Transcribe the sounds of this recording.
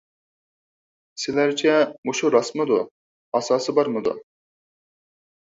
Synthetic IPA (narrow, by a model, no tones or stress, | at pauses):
sɪlæɾt͡ʃʰɛmuʃuɾɑsmɨd̪u | ɑsɑːsɨbɑɾmɨd̪ṵ